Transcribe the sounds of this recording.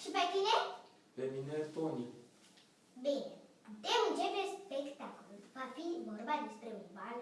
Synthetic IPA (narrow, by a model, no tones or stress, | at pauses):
ʃipet̪ine | peminet̪oni | bine | d̪eunt͡ʃepeɾspekt̪akoluvafivorbad̪espɾeunbal